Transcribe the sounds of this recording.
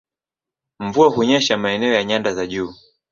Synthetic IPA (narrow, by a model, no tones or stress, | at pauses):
mvuahuɲɛʃamaɛnɛɔjaɲandazaʄuː